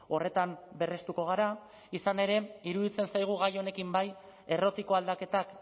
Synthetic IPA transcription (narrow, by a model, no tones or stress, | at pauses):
o̞re̞t̪ambe̞re̞st̪uko̞ɣ̞aɾa | isane̞ɾe̞iɾuðit͡se̞nsajɣ̞uɣ̞ajo̞ne̞kimbaj | e̞ro̞t̪iko̞ald̪ake̞t̪ak